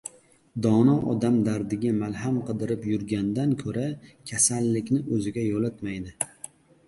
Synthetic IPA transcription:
d̪ɒnɒʔɒ̰d̪amd̪aɾd̪ɪɡʲamalɦamqʰɨd̪ɪɾɪpjʊɾɡʲand̪ankʰɵɾakʲʰasalːɪkʲnɪʔɵzɪɡʲajolat̪majd̪ɪ

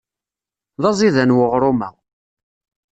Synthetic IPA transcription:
ðɑzˤiðænwəʁɾˤʊmæ̰w

